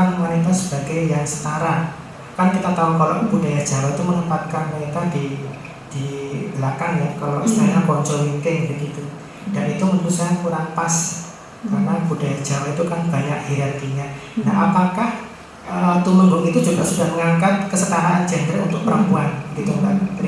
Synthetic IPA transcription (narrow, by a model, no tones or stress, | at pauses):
anmanit̪̬asəb̥aɡajːaŋsə̥t̪aɾan | kankit̪at̪aukaloʔb̥udajahd͡ʒ̥a̤wait̪umənəpat̪̚kanmanint̪adi | d̥iəlakanjakaloʔsət̪anapɔɲt͡ʃɔmint̪ɪŋbəɡit̪u | d̥anit̪uməɾusaakuɾaŋpas | kaɾnab̥ud̥ajahd͡ʒ̥a̤wait̪ukanb̥aɲakhiɾalkiɲana̰ɦa̰pakah | ʔət̪uməŋbʊŋit̪ud͡ʒuɡaʔsudahməŋaŋkat̪̚kəsət̪aɾaʔand͡ʒɛndɾaunt̪ʊk̚pəɾəmpuanəɡit̪uŋɡa̰ʔ